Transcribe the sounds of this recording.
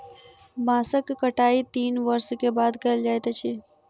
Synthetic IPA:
bãːsəkːəʈaːit̪iːnʋəɾskebaːd̪kɐld͡ʒaːet̪et͡ʃʰi

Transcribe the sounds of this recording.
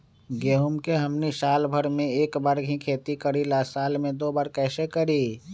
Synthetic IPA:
ɡeːɦumkeɦəmniʃaːlbʱəɾmẽeːkbaːɾɡʱĩkʰeːt̪ikəɾilaːsaːlmẽd̪oːbaːɾkɛːsekəɾi

